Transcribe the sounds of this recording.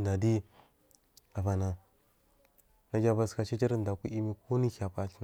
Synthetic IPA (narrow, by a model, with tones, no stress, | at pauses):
nda˨di˦ | a˨ba˨na˨ | na˦d͡ʒa˦ba˦ska˨t͡ʃi˦t͡ʃi˦ɾnda˨ku˦i˦mi˦ko˦ni˦xa˨pa˨ɬn